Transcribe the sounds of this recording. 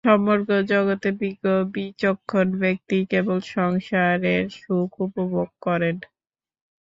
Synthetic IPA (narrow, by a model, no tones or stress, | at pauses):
ʃɔmoɾkod͡ʑɔɡot̪ebiɡobit͡ɕokʰːonbek̚t̪ikebolʃɔŋʃaɾeɾʃukʰupoboɡ̚kɔɾen